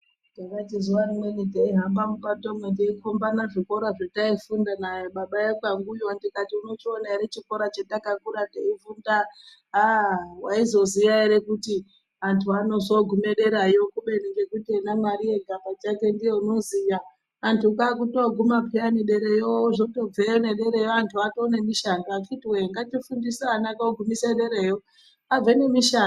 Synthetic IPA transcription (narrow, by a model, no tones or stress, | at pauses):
dakatizuwarimwenitaiɦambamupatomwendaikʰombanaʐiko̞ɾaʐetaifundanajoɓaɓajekwaŋɡujoandikatiuno̞t͡ʃionaeɾet͡ʃiko̞ɾat͡ʃetakakuɾateivunda | ɦawaizo̞ziʋaeɾe̞kuti | antʰuano̞so̞ɡʱume̞ɗe̞ɾajokuɓe̞neɡe̞kute̞namaɾije̞ɡʱamat͡ʃake̞ndijeuno̞zijaː | ntukakutoɡʱumapianeɗe̞ɾe̞joʐoto̞b͡vejone̞ɗe̞ɾe̞joantʰuatone̞miʃanɡaat͡ʃitiweŋɡat͡ʃifundisanakaoɡʱumiseɗe̞ɾejo | ab͡vene̞miʃa